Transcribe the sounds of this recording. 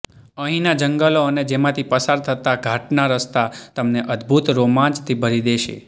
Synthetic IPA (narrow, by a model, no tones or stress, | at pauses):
əɦĩnad͡ʒəŋɡəloəned͡ʒemãt̪ʰipəsaɾt̪ʰət̪aɡʱaʈnaɾəst̪at̪əmneʔəd̪bʱut̪ɾomãnd͡ʒt̪ʰibʱəɾid̪eʃḛ